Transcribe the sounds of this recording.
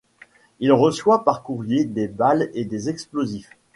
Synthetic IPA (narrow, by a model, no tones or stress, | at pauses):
ilʁəswapaʁkuʁjed̪ebaled̪ezɛksplozif